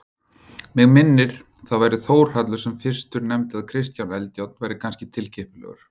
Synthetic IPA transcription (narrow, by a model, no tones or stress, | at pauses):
mɛɣmɪnːɪɾ̥ | θaðvaːjɾɪθoːwɾ̥hat̪lʏɾ̥sɛmfɪr̥st̪ʏɾnɛmt̪ɪaðkʰɾɪst̪jawnɛlc̪awt̪nvaːjɾɪkʰanscɪt̪ʰɪlcʰɪhpʏlɛ̰ɣʏ̰ɾ̥